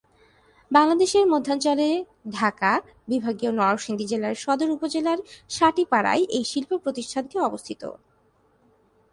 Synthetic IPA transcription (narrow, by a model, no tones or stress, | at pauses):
baŋlad̪eʃeɾmod̪ʱːant͡ɕɔle | ɖʱaka | bibʱaɡionɔoʃind̪id͡ʑelaɾʃɔd̪oɾupod͡ʑelaɾʃaʈipaɽa̰jʔejʃilpopɾot̪iʃʈʰankeɔbost̪ʰit̪o̰